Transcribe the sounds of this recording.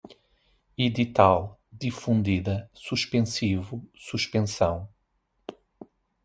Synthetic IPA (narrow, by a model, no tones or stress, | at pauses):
iðit̪alˠd̪ifũnd̪iðɐsuʃpẽsivusuʃpẽsɐ̃w̃